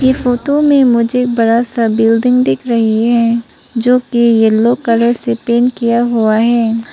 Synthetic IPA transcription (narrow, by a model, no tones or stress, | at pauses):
jefoːʈomẽmʊd͡ʒek̚bɐɾasabɪld̪ɪ̃ŋɡd̪ɪkʰɾɐɦiɦɛ̃ː | d͡ʒoːkijeloːkəɾəɾsepeːnkijaɦuaɦɛː